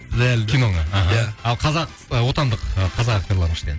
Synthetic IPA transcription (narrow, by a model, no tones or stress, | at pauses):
d̪ælkʰʲino̞ŋɑɦɑlˠqʰɑzɑq | əwo̞t̪ɑnd̪əqəqʰɑzɑqɑk̚t̪oɾlˠɑɾənɪʃt̪ed̪